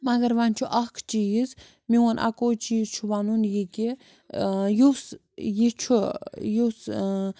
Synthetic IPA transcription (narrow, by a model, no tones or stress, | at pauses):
mɐɡɐɾʋɐnʲt͡ʃʰuʔɐkʰt͡ʃiːz | miwonʔa̰koːt͡ʃiːzt͡ʃʰuʋanunjikʲi | jus | jit͡ʃʰujus